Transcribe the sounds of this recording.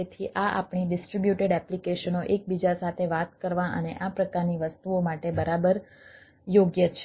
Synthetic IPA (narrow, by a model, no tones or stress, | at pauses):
et̪ʰiʔaʔa̰pɳiɖɪsʈɾibjuʈeɖɛplikeʃənoʔek̚bid͡ʒasat̪ʰeʋat̪kəɾʋãʔə̰neʔapɾəkaɾniʋəst̪uomaʈebəɾabəɾ | joɡjət͡ʃʰ